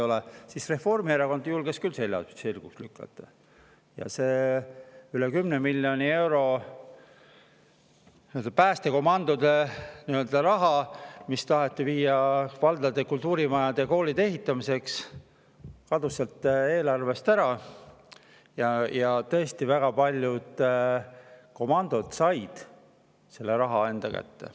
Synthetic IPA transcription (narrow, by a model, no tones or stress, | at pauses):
o̞lɛsisre̞fo̞rmieɾɑko̞nd̪̥julɡ̥eskylse̞lʲːjɑ̰selɡ̥ukslykˑːɑ̰t̪ːˑɑ̥̰ | jɑ̰seː | ylekymnemilʲːjo̞nie̞wɾo̞ | niøld̪ɑpæːst̪e̞ko̞mɑnd̪̥od̪̥eniø̞ld̪̥ɑɾɑɦɑmist̪ɑɦet̪ːˑiviːjɑvɑld̪̥ɑd̪ekult̪ˑuːɾimɑjɑd̪̥eko̞ːlid̪ee̞ɦit̪ːˑɑmise̞ks | kɑd̪̥uselt̪ːˑe̞ːlɑrve̞st̪æɾɑ | jɑjɑt̪ɤ̞est̪ivæɡ̥ɑpɑlʲjud̪̥ | ko̞mɑnd̪̥od̪̥sɑjd̪̥ | se̞lːeɾɑɦɑe̞nd̪ɑkæ̰t̪ːḛ